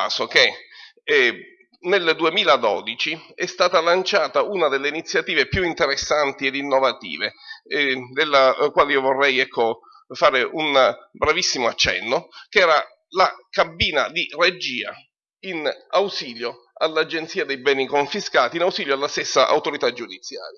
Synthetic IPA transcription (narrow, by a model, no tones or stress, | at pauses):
aːsok̟e | neld̪uemiːlad̪ɔ̰d̪it͡ʃiɛst̪aːt̪alant͡ʃaːt̪aunad̪elːeinit̪sːjat̪iːvepjuint̪eɾesːant̪ied̪inːovat̪ḭːve | d̪elːakwaːleiːovorːɛjɛkʰːo | faːɾeʔunbɾavisːimoat͡ʃːɛ̰nːokɛːɾa | lakabiːna̰d̪ired͡ʒiːa̰ | inawsiːljo | alːad͡ʒent̪siːad̪ejbɛːnikoɱfiskaːt̪inawsiːljoalːast̪esːaʔa̰wt̪oɾit̪ad͡ʒud̪it̪sːja̰ːɾja